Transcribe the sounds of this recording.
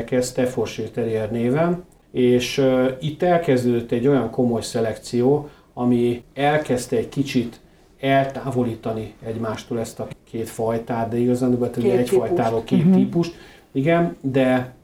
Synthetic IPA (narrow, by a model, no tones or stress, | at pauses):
kɛst̪ɛforʃeːt̪ɛɾiɛrneːvɛn | eːʃit̪ːɛlkɛzd̪øːd̪øt̪ːɛɟːo̞jɒŋko̞mo̞jsɛlɛkt̪sijoː | ɒmiɛlkɛst̪ɛɛɟkit͡ʃit̪ | ɛlt̪aːvo̞liːt̪ɒniɛɟmaːʃt̪oːlɛst̪ɒkʰeːt̪fɒjt̪aːt̪̚d̪ɛiɡɒzaːd̪oɡɛt̪uɛɛcffɒjt̪aːɾoːlkeːt̪ːiːpuʃt̪ | iɡɛnd̪ɛ